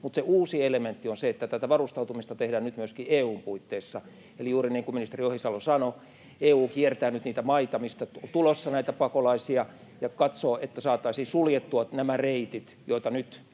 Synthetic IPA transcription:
mut̪seuːsielement̪ːionseet̪ːæt̪æt̪æʋɑrust̪ɑut̪umist̪ɑt̪ehdæːnnyt̪myøskieːuːmpuit̪ːeːsːɑ | elijuːriniːŋkuminist̪eriohisɑlosɑno | eːuːkiert̪æːnyt̪niːt̪æmɑit̪ɑmist̪ɑt̪ulosːɑnæit̪æpɑkolɑisiɑ | jɑkɑt̪soːet̪ːæsɑːt̪ːɑisiːsuljet̪ːuɑnæmæreit̪it̪joit̪ɑnyt̪

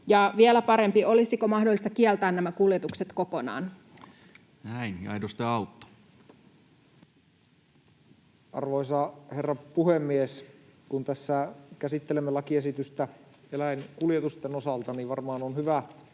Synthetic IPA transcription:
jɑʋielæpɑɾe̞mpio̞lisikomɑhdolːˑist̪ɑkiɛlt̪æːnnæmækuljet̪ukset̪ko̞ko̞nɑ̰ːn | næinɑ̰idost̪eɑut̪ːo̥ | ʔɑ̰rʋoisɑherːɑpuhemːieskunt̪æsːækæsit̪ːelemːelɑkiesit̪yst̪æ | elæjnkuljet̪ust̪enosɑlt̪ɑniʋʋɑrmɑːnonhyʋæ

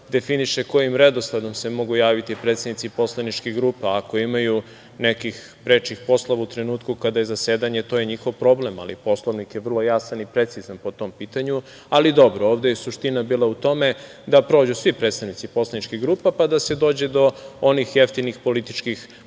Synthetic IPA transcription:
d̪e̞finiʃeko̞jimɾe̞d̪oslˠad̪o̞msemo̞ɡujaːʋit̪ipɾet̪sed̪nit̪sipo̞slˠanit͡ʃkiɣɡɾuːpaːko̞imaju | ne̞kix | pɾe̞t͡ʃixpo̞slˠoʋaut̪ɾenuːt̪kukad̪ajezase̞ːd̪aɲet̪o̞ːjeɲixo̞ʋpɾo̞ble̞ma̰lipo̞slˠoʋnikjeʋr̩lˠo̞jasanipɾe̞t̪sizanpo̞t̪o̞mpiːt̪aɲu | alid̪o̞bɾooːʋd̪ejesuʃt̪inabiːlˠaut̪o̞me̞ | d̪apɾo̞ːd͡ʑusʋipɾet̪st̪aʋnit̪sipo̞slˠanit͡ʃkiɣɡɾuːpapad̪ase̞d̪o̞ːd͡ʑe̞d̪o̞onixjeft̪inixpo̞lit̪it͡ʃkix

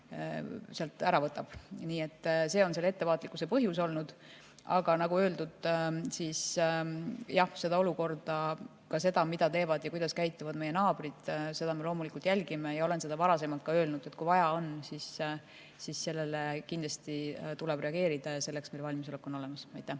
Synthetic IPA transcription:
seɑlt̪ˑæɾɑvɤt̪ːˑɑb̥niːe̞t̪ːse̞ːo̞nselet̪ːe̞vɑːt̪ːˑlikːˑusepɤɦjus̬o̞lnud̪̥ | ʔɑɡ̥ɑnɑɡuøːld̪ud̪̥siːs | jɑhse̞d̪̥ɑo̞luko̞rd̪̥ɑ | kɑse̞d̪̥ɑmid̪ɑt̪e̞ːvɑd̪̥jɑkujd̪ɑskæjt̪ːˑuvɑd̪me̞jːenɑːb̥rid̪̥se̞d̪ɑme̞lo̞ːmulikult̪jælʲɡ̥ime̞jɑo̞le̞nse̞d̪̥ɑvɑɾɑse̞mɑlt̪̚kɑø̞ːlnud̪̥et̪̚ːkujvɑjɑo̞nsis | sisːe̞lːe̞lekind̪lɑst̪it̪uleb̥re̞ɑɡ̥e̞ːɾid̪̥ɑjɑse̞lːe̞ksme̞jlvɑlʲmiso̞lekːˑo̞no̞le̞mɑsɑjt̪ːˑæ

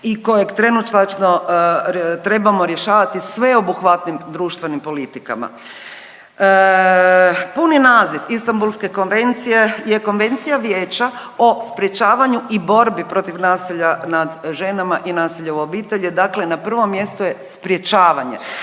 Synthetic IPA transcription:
iko̞jeɡt̪ɾe̞nut͡ʃt̪at͡ʃno | t̪ɾe̞bamo̞ɾje̞ʃaːʋat̪isʋe̞o̞buxʋat̪nimd̪ɾuːʃt̪ʋe̞nimpo̞lit̪ika̰ma̰ | puninaːzifist̪ambulˠske̞ko̞nʋe̞nt̪sijejeko̞nʋe̞nt̪sijaʋjeːt͡ɕao̞spɾje̞t͡ʃaːʋaɲuibo̞ɾbipɾo̞t̪iʋnaːsiʎanad̪ʒe̞namaʔinaːsiʎeobiːt̪e̞ʎed̪akle̞napr̩ʋo̞mːje̞st̪uje̞spɾje̞t͡ʃaːʋaɲe

